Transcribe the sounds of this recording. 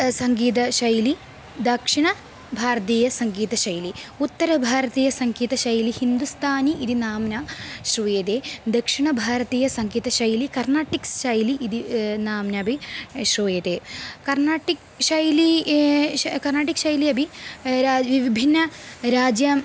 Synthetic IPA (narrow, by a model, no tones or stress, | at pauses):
sɐŋɡiːt̪̬ɐʃɐjli | d̪ɐkʂiɳɐ | bʱaːɾɐt̪iːjɐsɐŋɡiːt̪ɐʃɐjliut̪ːɐɾɐbʱaːɾɐt̪iːjɐsɐŋɡiːt̪ɐʃɐjlihind̪ust̪ʰaːniid̪inaːmnaːʃɾujet̪eːd̪ɐkʂiɳɐbʱaːɾɐt̪iːjɐsɐŋɡiːt̪ɐʃɐjlikɐɾnaːʈːiksʃɐjliʔid̪inaːmnaːbʱiʃɾuːjet̪eːkɐɾnaːʈik | ʂɐjli | kɐrnaːʈikʃɐjliɐbʱiɾaʋiʋibʱinːɐɾaːd͡ʒjaːm